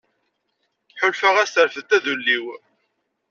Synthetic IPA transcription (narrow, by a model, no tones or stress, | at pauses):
ħʊlfəʁæst̪əɾfəðt̪ːæðulːiw